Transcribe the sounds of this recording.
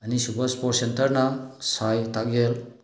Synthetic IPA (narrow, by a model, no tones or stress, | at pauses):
ɐnisupɐɾspɔʈ̚sentɐɾnasajtakɡel